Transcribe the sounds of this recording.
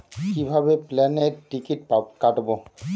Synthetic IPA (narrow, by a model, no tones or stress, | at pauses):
kibʱabeplɛneɾʈikiʈpakaʈbo